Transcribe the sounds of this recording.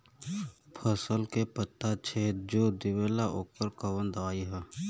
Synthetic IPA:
pʰəsəlkepət̪ːat͡ʃʰed͡ʒoːd̪ɪʋeːlaʔoːkəɾkəʋə̃nd̪aːiɦɛ

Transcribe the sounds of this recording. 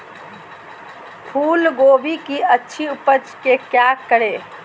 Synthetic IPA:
pʰuːlɡoːbʱikiətːʃʰiupət͡ʃkekjakəɽe

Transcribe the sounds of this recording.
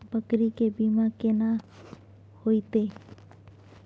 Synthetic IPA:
bəkɾikebimakena | hojt̪e

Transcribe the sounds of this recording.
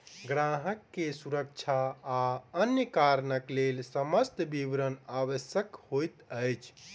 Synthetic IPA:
ɡɾãɦəkːesuɾək̚t͡ʃʰaː | ənjəkaɾnəklelsəməst̪bibɾənaʋəsjəkhojt̪əjt͡ʃʰ

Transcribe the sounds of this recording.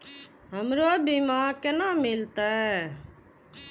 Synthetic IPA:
ɦəmɾoabimaːkenaːmɪlt̪aɦɛ

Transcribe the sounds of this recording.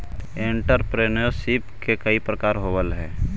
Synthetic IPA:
ẽɳʈəɾpɾeːnosipkekəipɾəkaːɾɦoːʋəlɦɛː

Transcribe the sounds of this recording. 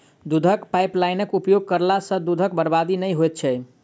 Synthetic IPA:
d̪ud̪ʱəkpajplajnəkupjoɡ̚kəɾlasə̃d̪ud̪ʱək̚bəɾbad̪inəjɦojt̪̚t͡ʃʰɛ

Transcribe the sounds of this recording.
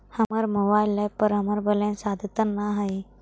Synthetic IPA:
həmaɾmobajləpəɾɦəmaɾbəlẽnsad̪ʱt̪ənːaɦaj

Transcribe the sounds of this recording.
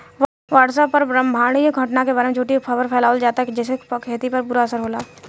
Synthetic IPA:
ʋaːʈsəpːɐɾɾə̃mbʱaːɽ̃ijoɡʱɐʈnakebaːɾemẽd͡ʒʱuːʈipʰɐʋəɾpʰɛːlaːʋəld͡ʒaːt̪akd͡ʒɛːsekʰeːt̪ipɐɾbʊɾaɐsəɾɦoːlaː

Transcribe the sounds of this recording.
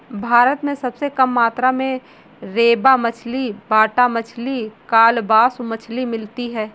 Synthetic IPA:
bʱaːɾət̪mẽsɐbsekɐmːaːt̪ɾamẽ | ɾeːbamɐt͡ʃʰlibaːʈamɐt͡ʃʰlikaːlbaːsmɐt͡ʃʰlimɪlt̪iɦɛː

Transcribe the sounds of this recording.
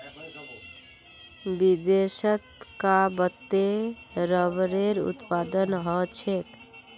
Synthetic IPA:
bid̪esət̪kabət̪ːeɾəβɾeɾṵt̪pad̪ənɦɔt͡ʃʰet̪

